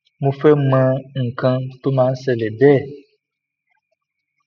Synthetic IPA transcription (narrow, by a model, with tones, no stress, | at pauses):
mũ˦fe˦mɛ̃˦ŋ̩˨kã˦t̪u˦mã˨˦n̩˦sɛ˨le˨bɛ˦˨